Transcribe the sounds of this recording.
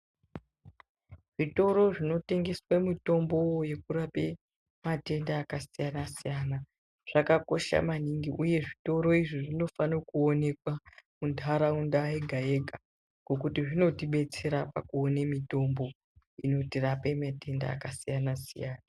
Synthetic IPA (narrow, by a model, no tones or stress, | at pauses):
ʐ̥ito̞ɾo̞ʐino̞te̞ŋɡe̞swamito̞mbo̞je̞kuɾape̞ | mate̞ndaːkasijanasijana | ʐ̥akako̞ʃa̰maniŋɡiʔuje̞ʐito̞ɾo̞iʐiʐino̞fanokuone̞kwamundʰʱaɾaundaeɡʱae̞ɡʱa | ɡ̥o̞kutiʐino̞tiɓe̞t͡se̞ɾapakuonemito̞mbo̞ | ino̞tirapemate̞nda̰ːkasijanasḭjaːna